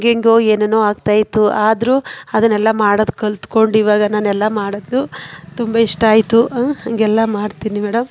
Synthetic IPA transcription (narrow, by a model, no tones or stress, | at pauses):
ŋɡeŋɡeoːeːnenoːaːɡt̪aːjit̪ːuaːd̪ɾuɐd̪ɐnɛlːɐmaːɽod̪ukɐlt̪ko̞ɳɖiːʋaːɡɐnaːnɛlːɐmaːɽod̪ːut̪umbɐiʂʈaːjit̪uɐŋɡɛlːɐmaːɽt̪iːnimɛːɽɐm